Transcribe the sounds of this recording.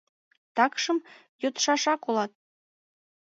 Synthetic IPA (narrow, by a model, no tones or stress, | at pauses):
t̪ɑkʃɤ̆m | jot̪ʃɑʂɑkolˠɑt̪̚